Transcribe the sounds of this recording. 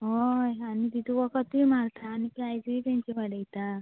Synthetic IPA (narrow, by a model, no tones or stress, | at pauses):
ɦojanit̪it̪uʋəkət̪imaɾt̪ʰaːnikajd͡zit̪ãɲt͡ɕiʋaɽəjt̪a